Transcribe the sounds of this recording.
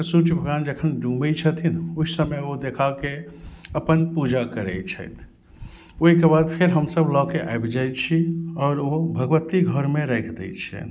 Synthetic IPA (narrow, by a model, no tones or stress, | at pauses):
sut͡ʃbʱəɡand͡ʒəkʰənɖumɛt͡ʃʰət̪ʰinuisəmeod̪ekʰakeəpənpud͡ʒakəɾɛ̰jt͡ʃʰə̰t̪ʰ | oɦikebad̪pʰeɾɦəmsəblɔkeʔa̰jbd͡ʒaj̪t͡ʃʰiɔːɾobʱəɡʋət̪iɡʱəɾmeɾɛkʰd̪ɛ̰t͡ʃʰɛ̰